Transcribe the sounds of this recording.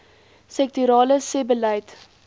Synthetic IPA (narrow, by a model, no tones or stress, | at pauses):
sɛk̚tyɾɑːləsebəlɐjt